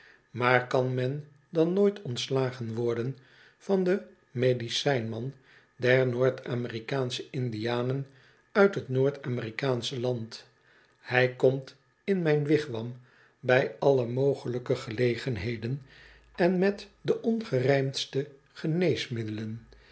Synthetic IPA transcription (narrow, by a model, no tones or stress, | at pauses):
maːɹkɑnmɛn | dɑnːoːjtʰɔntslaːχənʋɔɹdən | fɑndə | mejdisɛjnmɑn | dɛɹnoːɹtaːmərikaːnsəɪndijaːnən | œɥtɦətnoːɹtaːmɪrikaːnsəlɑnt | hɛjkɔmt | ɪnmɛjnʋɪχʋɑm | bɛjɑləmowχələkəχəlejχənɦejdən | ɛnmɛtdəʔɔnχərɛjmstə | χənejsmɪdələn